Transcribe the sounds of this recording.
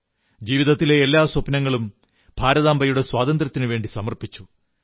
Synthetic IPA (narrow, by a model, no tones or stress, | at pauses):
d͡ʑiːʋiðɐt̪ːile̞ːlːaːswɐpnɐŋːɐɭum | b̥ʱaːɾɐðaːmbʱɐjuɽe̞swaːd̪ɐnd̪rɐt̪ːinɨʋe̞ːɳɖisɐmɐrpit͡ɕːu̥